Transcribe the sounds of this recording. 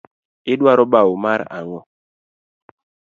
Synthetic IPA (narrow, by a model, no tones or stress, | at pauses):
ɪɗwaɾɔɓaumaɾa̰ŋɔ